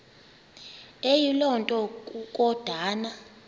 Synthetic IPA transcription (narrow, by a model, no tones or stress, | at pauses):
ejilɔntʼɔkʼuk̬ʼɔd̥ʱaːna